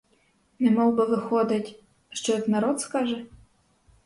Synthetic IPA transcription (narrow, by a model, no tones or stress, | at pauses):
nɛmɔwbɨvɨxɔd̪ɨtʲ | ʂt͡ʃɔjɛt̪naɾɔt̪skaʐɛ